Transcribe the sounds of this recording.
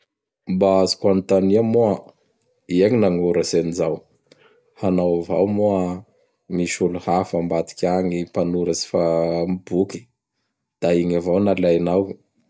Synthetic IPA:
baazi̥kanit̪aniəmua | iaŋinaŋuɾasenizaw | hanawvawmua | miʃuluhafambat̪i̥kʲaŋipanuɾəsi̥famibuki̥ | d̪̥aiŋavawnalajnaw

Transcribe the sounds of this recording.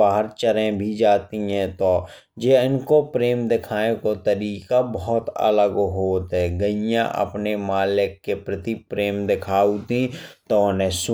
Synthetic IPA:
aːɦəɾt͡ʃəɾẽbʱid͡ʒaːt̪iɦɛ̃t̪oː | d͡ʒeːɪnkopɾeːmd̪ɪkʰaːẽkot̪əɾiːkabɔɦt̪ə̰ləɡɦoːt̪ɦɛ̃ɡəɪjã̰ʔə̰pnemaːlɪkːepɾɪt̪ipɾeːmd̪ɪkʰaːut̪ĩt̪oʊnẽs

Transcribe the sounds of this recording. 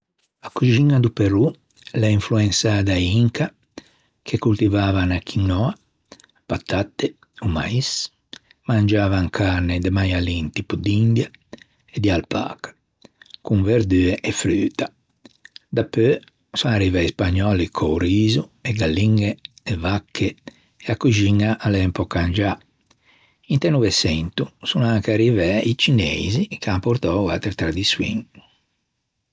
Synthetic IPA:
akuʒiŋad̪upeɾu | lɛiɱfluensaːd̪aiŋka | kʰekult̪ivaːvanakʰiŋnɔa | pat̪ːat̪ːe | uma̰is | mand͡ʒaːvaŋkʰaned̪emajalint̪ipud̪ind̪ja | ed̪ialpa̰ːkḁ | kuɱveɾd̪yːɛʔɛfɾyːt̪a | d̪apːø | sunarivɛispaɲːɔːlikʰɔɾiːzuɛɡalːiŋɡɛɛvakʰːɛ | ɛakːuʒiŋaʔalɛmpɔkːand͡ʒa | int̪ɛnuvɛsɛnt̪usunaŋkaɾivɛit͡ʃinḛzikampɔɾt̪ɔwa̰t̪ɛɾt̪ɾad̪iswḭŋ

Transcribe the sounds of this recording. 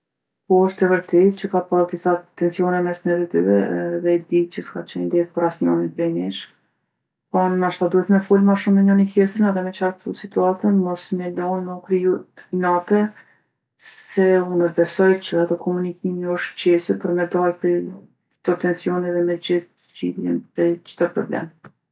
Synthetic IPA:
pɔɔʃt̪ɛvəɾt̪ɛt̪̚t͡ʃəkapaɾd̪isat̪ɛnsjɔnɛmɛsnɛɾit̪ivɛðɛd̪it͡ʃəskat͡ʃɛnd̪ɛθpaɾasɲɔnit̪pɛniʃ | pɔnnaʃt̪ad̪uɛt̪mɛfulmaʃumnɛɲanikjɛt̪ɾənaðɛmɛt͡ʃaɾt̪usit̪uat̪ənmɔsnɛlɔnəkɾiutnat̪ɛ | sɛunɛbɛsɔjt͡ʃəat̪ɔkʰɔmunikimiɔʃt̪cɛsɛpəɾmɛd̪aɾt̪ɛ | t̪ɔt̪ɛnsjɔnɛðɛmɛd͡ʑiθzd͡ʑḭðjɛ̰nɛt͡ʃt̪əɾpɾɔ̰blɛ̰m

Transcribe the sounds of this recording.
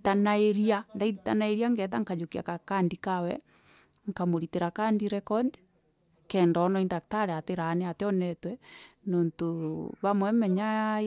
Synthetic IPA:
tanaeɾiandaitanaeɾiaŋɡɛt̬aŋkad͡ʒokia̰kakandikawɛ̰ | ŋkamoɾiteɾakaːndiɾɛkɔd | kɛːndɔnɔindak̚taɾeateɾaneateɔnɛtwɛnoːntoβamwɛmɛɲa

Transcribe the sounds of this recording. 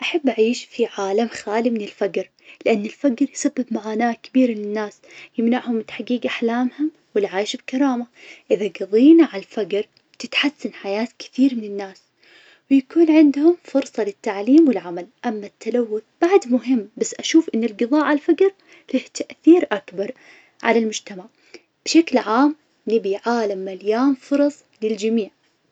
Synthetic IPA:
ʔaħabːʔaʕiːʃfiʕaːlamxaːlimɪnɪlfaɡɾ | lɪʔanːɪlfaɡɾjsabːɪbmaʕaːnaːkɪbiːɾmɪnɪnːaːsjɪmnaʕhʊmːɪt̪ħaɡiːɡʔaħlaːmhʊm | wɪlʕaːjʃɪbkɑɾˤɑːmaʔɪðaɡɨðˤiːnaʕalfaɡɾ | t̪ɪt̪ħasːanħajaːt̪kɪ̥θiːɾmɪnɪnːaːs | wjakuːnʕɪnd̪hʊmfʊɾsˤɑlɪt̪ːaʕliːmwɪlʕamalʔamːat̪ʰːalawːʊθb̥aʕd̪mʊɦɪmːbasːʔaʃuːfʔɪnːɪlɡɨðˤɑːʔʕalfaɡɾ | lɪht̪aʔθiːɾʔakbɑɾˤ | ʕa̰lalmʊd͡ʒt̪amaʕ | b̥ʃaklʕaːm | nɪbiʕaːlamːaljaːnfʊɾˤɑsˤlɪld͡ʒamiːʕ

